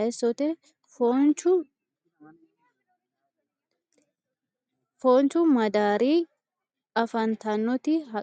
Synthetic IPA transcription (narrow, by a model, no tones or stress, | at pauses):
ɛsɔt̪ɛ | font͡ʃʊ | foːnt͡ʃʊmɐd̪aːɾiː | ɐfɐnt̪ɐnːɔt̪ɪɦɐ